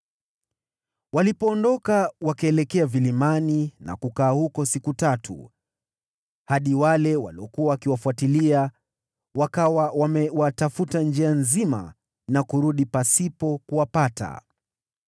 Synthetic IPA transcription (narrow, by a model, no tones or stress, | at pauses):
walipɔːndɔkawakaɛlɛkɛavilimanina̰kukaːhukɔsikutatʰṵ | haɗiwalɛwa̰liɔkuawakiwafuatilia | wakawawamɛwatafutand͡ʒianzima̰ | nakuɾuɗipasipɔkuwapata̰